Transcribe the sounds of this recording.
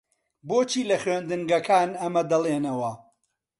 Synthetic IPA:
boːt͡ʃʰiːlɐχɥeːnd̪ɨŋɡɐkʰaːnɐmɐd̪ɐlˠeːnɐwɐ

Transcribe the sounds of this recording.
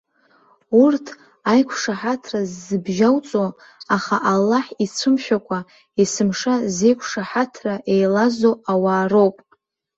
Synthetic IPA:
urtʰ | ajkʷʰʂaħatʰrazːɨbʒawt͡sʼo | aχaʔalːaħit͡sʷʰɨmʃᶣakʷʰʼa | isɨmʂaze̞jkʷʰʂaħatʰraʔe̞jlazoawaːro̞wpʼ

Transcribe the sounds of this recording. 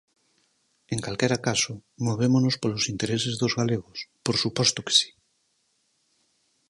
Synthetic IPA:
eŋkalkɛɾakasomoβ̞emonospolosint̪eɾesezðozɣaleɣ̞ospoɾsupɔst̪oke̥si̥

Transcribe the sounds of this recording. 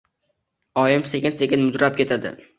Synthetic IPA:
ɒjɪmsekʲɪnse̞kʲɪnmʊd̪ɾap̚kʲʰe̞t̪ʰad̪ɪ̰

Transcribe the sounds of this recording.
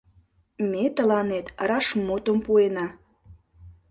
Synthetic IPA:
met̪əlɑnet̪rɑʃmot̪əmpuenɑ

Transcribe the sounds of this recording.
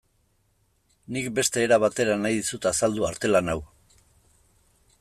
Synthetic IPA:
nik̚be̞st̪e̞ːɾaβat̪e̞ɾanajðisut̪asald̪uaɾt̪e̞lanaw

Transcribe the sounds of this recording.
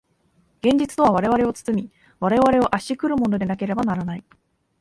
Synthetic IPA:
ɡ̥ẽ̞ɲ̟d͡ʑit͡sɨ̥t̪o̞β̞aβ̞aɾe̞βaɾe̞o̞t͡sɨ̥t͡sɨmʲi | βaɾe̞βaɾe̞o̞ʔaɕikɯ̟ɾɯ̟mo̞no̞d̪e̞nake̞ɾe̞banaɾanai

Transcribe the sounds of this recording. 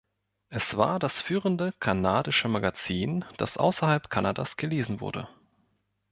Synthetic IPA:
ʔɛsv̥a̰ːɐdasfyːʁəndəkʰanaːdɪʃəmaɡat͡siːnd̥a̰sʔa̰ʊsɐhalpkʰanadasɡ̥əleːzn̩vʊ̰ɐdə̰

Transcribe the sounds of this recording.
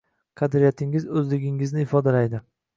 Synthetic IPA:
qʰɑd̪ɾijat̪ʰɪŋɪzɵzlɪɡʲɪŋɪznɪɪfɒd̪alajd̪ɪ

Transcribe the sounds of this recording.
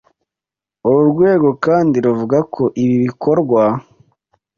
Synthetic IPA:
oɾuɾɡwe̞ːɡo̞kaːndiɾuvuɡakʰo̞ʔiβiβikʰo̞ɾɡwa

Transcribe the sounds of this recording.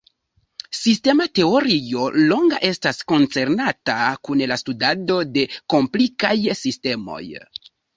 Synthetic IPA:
siste̞mate̞o̞ɾio̞lo̞ŋɡa̰ʔe̞stasko̞nt͡se̞ɾnatakunlastudado̞de̞ko̞mplikajsiste̞mo̞̰j

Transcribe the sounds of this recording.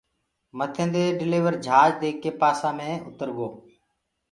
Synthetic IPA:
mət̪ʰẽːnd̪eːɖɪliːʋəɾd͡ʒʱaːd͡ʒd̪eːkːeːpaːsãːmẽːʊt̪əɾɠoː

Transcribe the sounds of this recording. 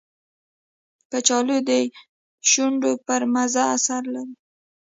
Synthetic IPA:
pət͡ʃɑlod̪e | ʃuɳɖopəɾmazaːsaɾlaɾi

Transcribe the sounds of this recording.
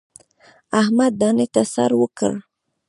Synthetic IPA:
ahmad̪ːɑnet̪asa̰ɾwəkə̰ɽ

